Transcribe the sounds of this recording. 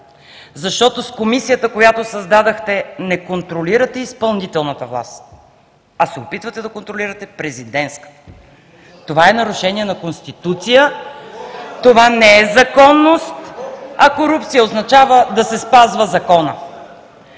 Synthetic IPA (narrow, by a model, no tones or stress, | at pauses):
zɐʃt̪ɔt̪oskomisijət̪əkojat̪osɐzd̪ad̪əxt̪ɛnɛkont̪ɾoliɾət̪ɛispɐlˠnit̪ɛlˠnɐt̪əvlˠa̰st̪ | ɐsɛopit̪vət̪ɛd̪ɐkont̪ɾoliɾət̪ɛpɾɛzid̪ɛnskə̥t̪ | t̪ovaɛnɐɾʊʃɛniɛnɐkonst̪it̪ut̪sijə | t̪ovanɛɛzɐkɔnːost̪ɐkoɾup̚t̪sijəoznɐt͡ʃavəd̪ɐsɛspazvəzɐkɔnə